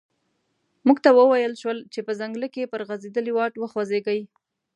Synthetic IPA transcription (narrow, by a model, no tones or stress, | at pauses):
muɡt̪awəwajəlʃwəlt͡ʃepəzaŋɡləkepəɾɣazed̪əliwɑʈwəxwazeɡaj